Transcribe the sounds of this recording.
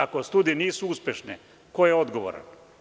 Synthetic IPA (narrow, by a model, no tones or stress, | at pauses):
akost̪uːd̪ijeniːsuuspʲjeʃnḛ | kojeo̞d̪ɡoʋo̰ɾa̰n